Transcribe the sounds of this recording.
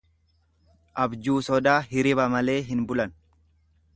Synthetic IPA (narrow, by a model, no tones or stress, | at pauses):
ʔɐbd͡ʒuːsɔd̪aːɦɪɾɪbɐmɐle̞ːɦɪnbʊlɐn